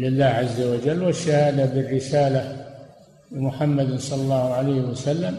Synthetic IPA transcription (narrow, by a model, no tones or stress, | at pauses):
lɪlːaːhʕazːawad͡ʒalːwaʃːahaːd̪abɪrːɪsaːla | lɪmʊħamːad̪nsˤɑlɑlːɑːhʊʕalajhɪwasalːam